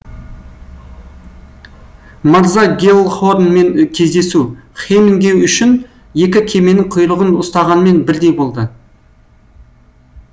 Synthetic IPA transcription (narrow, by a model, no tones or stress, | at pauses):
mɑɾzɑɡʲelˠχoɾnme̞ŋkʲʰe̞zd̪e̞suχemɪŋɡʲe̞wʏʃɪn | je̞kʲɪkʲʰe̞me̞nɪŋqʰʊjɾˠəʁənʊst̪ɑʁɑnme̞nbɪɾd̪e̞jbo̞lˠd̪ə